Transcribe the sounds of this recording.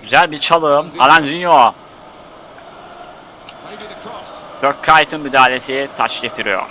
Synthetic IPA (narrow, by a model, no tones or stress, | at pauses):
ɟyzælʲbit͡ʃʰalˠɯːma̰land͡ʒynjo | d̪̥øɾ̚kʰːaːjt̪ʰɯnmyd̪aːlʲesijit̪ʰat͡ʃɟet̪ʰiɾijo̰ɾ